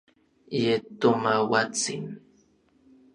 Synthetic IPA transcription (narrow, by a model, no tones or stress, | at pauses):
jet̪ʊmawat͡sɪ̰ŋ